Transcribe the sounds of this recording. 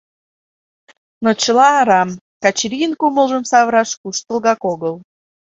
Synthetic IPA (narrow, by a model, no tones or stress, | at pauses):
not͡ɕəlɑːɾɑm | kɑt͡ɕɾʲinkuməlˠʒə̆msɑβɾɑʃkuʃt̪ə̆lˠɣɑkoɣəl